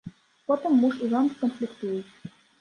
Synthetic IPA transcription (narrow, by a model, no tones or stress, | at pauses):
pot̪ɤ̆mːuʂuzɑnkonflʲikt̪ujət